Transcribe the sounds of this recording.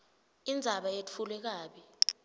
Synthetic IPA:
ind͡zʱaɓajet͡fʰulwɛk̬aːɓi

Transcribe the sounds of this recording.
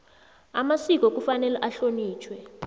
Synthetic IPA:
amasik̬ʼɔk̬ʼufanɛlɛʔaɬoniːt͡ʃʰwɛ

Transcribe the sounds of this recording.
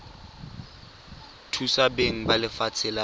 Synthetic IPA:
tʰusabeŋ̩balɪfat͡sʰɪla

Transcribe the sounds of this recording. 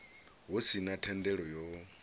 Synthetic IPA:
ɦosinatʰɛndɛɺɔjɔ

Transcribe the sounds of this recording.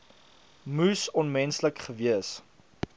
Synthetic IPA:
musɔnmɛnsləkχəviəs

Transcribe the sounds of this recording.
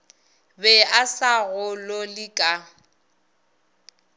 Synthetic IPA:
bɛasaɣʊlolɪkʼa

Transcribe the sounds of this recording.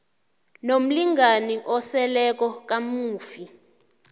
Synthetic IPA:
nom̩liŋɡaniʔɔsɛlɛk̬ɔk̬ʼamuːfi

